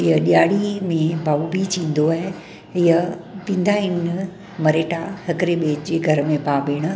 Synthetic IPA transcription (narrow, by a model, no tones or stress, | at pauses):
ɪjəɗijaːɽimẽbaːubʱit͡ɕĩːn̆d̪oaːɦe | ɪjəpĩːn̆d̪aɪn | mɐɾeːʈahɐkəɾeɓeːd͡ʑeɡʱɐɾəmẽpaːbeːɽ̃ʊ